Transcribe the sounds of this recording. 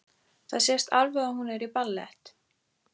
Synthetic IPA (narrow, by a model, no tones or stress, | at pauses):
θaðsɛst̪alvɛɣahunɛɾipalːɛ̰ht̪